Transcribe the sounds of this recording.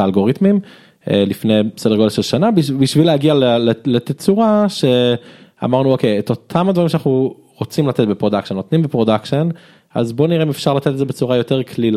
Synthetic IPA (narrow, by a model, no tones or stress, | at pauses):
alɡo̞ʁit̪mim | elifne̞jsedeɡodelʃelʃanabbiʃvilehaɡialellet̪ett͡suʁaʃe̞a̰maʁnuokʰejet̪o̞t̪ʰamad̪vaʁimʃanaχnu | ʁot͡simlat̪etbepʁodakʃenːot̪nimbepʁo̞dakʃen | a̰zbo̞niʁeimefʃaʁlat̪et̪etzebet͡suʁajo̞teʁkʰlil